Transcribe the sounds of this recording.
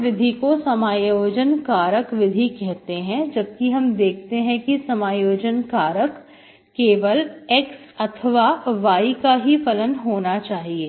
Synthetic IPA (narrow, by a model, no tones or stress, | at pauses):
ʋɪd̪ʱikosɐmaːjoːd͡ʒənkaːɾəkʋɪd̪ʱikɛɦt̪eɦɛ̃d͡ʒɐb̚kiɦɐmd̪eːk̚ʰt̪eɦɛ̃kisɐmaːjoːd͡ʒənkaːɾəkː | eːʋəlɛks | ɐt̪ʰəʋaʋaːikaɦifɐlənɦoːnat͡ʃaːɦieː